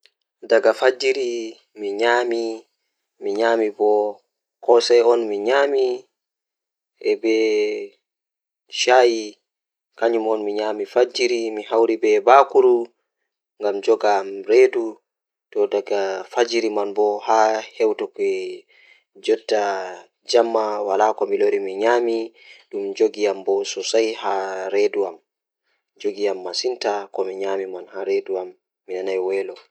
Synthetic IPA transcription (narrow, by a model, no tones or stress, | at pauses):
daɡafad͡ʒiɾi | miɲaːmi | miɲaːmibɔ | kɔsɛjɔnmiɲaːmi | ʔɛbɛ | ʃaːji | kaɲumɔnmiɲaːmifad͡ʒiɾimiɦawɾibɛbakuɾu | ŋɡamd͡ʒɔɡamɾeːdu | tɔdaɡafad͡ʒiɾimanbɔhahɛwtɔkɛ | d͡ʒɔtːa | d͡ʒamːawalakɔmiloɾimiɲami | dumd͡ʒoɡiambɔsɔsajhaɾeduam | d͡ʒoɡiamːasintakɔmiɲamimanhaɾeduamː | inanajwɛlɔ